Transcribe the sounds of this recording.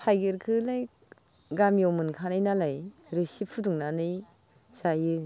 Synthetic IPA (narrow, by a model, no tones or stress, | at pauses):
hʰajɡeɾkʰɯlaj | ɡamjɔwmɯnkʰanajnalajɾesipʰɯduŋnanɯj | sajɯ